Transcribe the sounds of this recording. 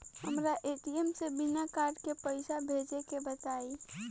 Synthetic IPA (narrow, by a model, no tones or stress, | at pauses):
həmɾaʔeʈiemsebinakaɾɖkepəɪsabʱed͡ʒekebət̪ai